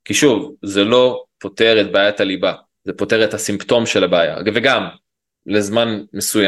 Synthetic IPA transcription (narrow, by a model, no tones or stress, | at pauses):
kiʃuvzelo̞po̞te̞ʁetbaːjataliba | zepo̞te̞ʁethasimpto̞mʃe̞labeːja̰veɡam | lezmanme̞suja